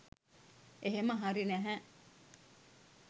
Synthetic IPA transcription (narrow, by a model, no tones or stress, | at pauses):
eɦeməɦaɾinæɦæ